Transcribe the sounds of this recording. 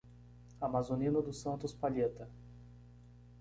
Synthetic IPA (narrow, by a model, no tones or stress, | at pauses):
amazonĩnʊd̪ʊsɐ̃nt̪ʊspaʎet̪ɐ